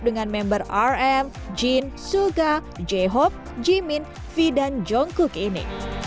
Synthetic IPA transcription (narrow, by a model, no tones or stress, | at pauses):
dəŋanmɛmbərarɛm | d͡ʒinsuɡad͡ʒɛɦɔp̚ | d͡ʒimin | fidand͡ʒɔŋkukinḭ